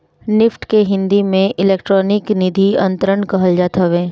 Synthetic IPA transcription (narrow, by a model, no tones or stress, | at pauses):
nɪfʈkeɦɪ̃nd̪imẽʔɪleːk̚ʈɾɔːnɪknɪd̪ʱiɐ̃nt̪ɾəɳkɐɦəld͡ʒaːt̪əʋẽː